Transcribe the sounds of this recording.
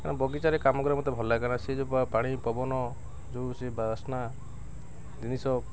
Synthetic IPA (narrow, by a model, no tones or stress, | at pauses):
kanabɔɡit͡ʃaɾekamɔɡɔɾamɔt̪ebʱɔlakañased͡ʒopapaɽ̃ipɔbɔnɔ | d͡ʒosebaasna | d̪inisɔ